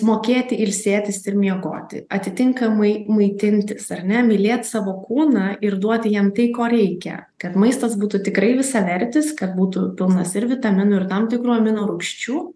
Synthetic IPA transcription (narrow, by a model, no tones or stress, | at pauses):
moːkʲeːt̪ʲɪʔɪlʲsʲeːt̪ʲɪsɪɾmʲiɛɡo̰ːt̪ʲɪ̰ɐt̪ʲɪt̪ʲɪŋkɐmɐɪmɐɪt̪ʲɪnʲt̪ʲɪsɐɾʲnʲɛmʲɪlʲeːt̪ʲsɑːʋoːkuːnɑːɪɾd̪uɔt̪ʲjiɛmt̪ɐɪkoːɾʲɛɪkʲɛ̰ | kɐt̪mɐɪst̪ɐsbuːt̪ʊt̪ʲɪkɾɐɪʋʲɪsɑʋʲɛɾʲt̪ʲɪskɐt̪̚buːt̪ʊpʲɪlˠnɐsɪɾʋʲɪt̪ɐmʲɪnʊɪrt̪ɐmt̪ʲɪkɾuːɐmʲɪnoːɾʊkʃʲt͡ʃʲuː